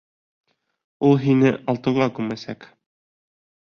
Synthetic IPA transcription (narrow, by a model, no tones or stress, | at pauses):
ulˠɦinɘʔɒlˠt̪ɤ̆ʁɑkʉmæsæk